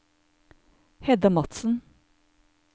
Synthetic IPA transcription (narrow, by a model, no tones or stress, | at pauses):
hɛd̪əmɑt̪sn̩